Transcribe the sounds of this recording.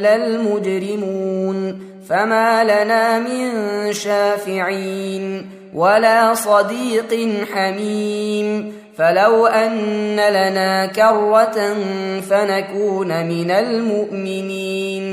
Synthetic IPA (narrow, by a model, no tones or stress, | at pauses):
lalmʊd͡ʒɾɪmuːn | famaːlanaːmɪnʃaːfɪʕiːn | wʔalaːsˤɑd̪iːqnħamim | falawʔanːalanaːkɑrːat̪nfanakuːnmɪnalmʊʔmɪniːn